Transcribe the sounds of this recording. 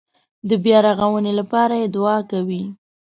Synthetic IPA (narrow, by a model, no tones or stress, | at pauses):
d̪əbjɑɾaɣawənelapɑɾajed̪ʊɑkawi